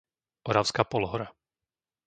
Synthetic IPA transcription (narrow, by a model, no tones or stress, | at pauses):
ʔɔɾaʊskaːpɔlɔɦɔɾa